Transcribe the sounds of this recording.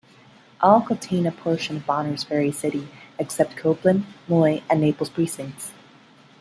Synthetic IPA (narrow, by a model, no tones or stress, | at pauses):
ʔɔlˠkʰə̃ntʰẽɪ̃nɨpʰɔɹʃɨ̃nʌvbɑnə˞z̥fɛɹisɪɾiɨksɛp̚t̚kʰoʊplɨ̃nmɔɪʔɨ̃nːeɪpl̩ˠz̥pʰɹ̥isɪ̃ŋk̚ts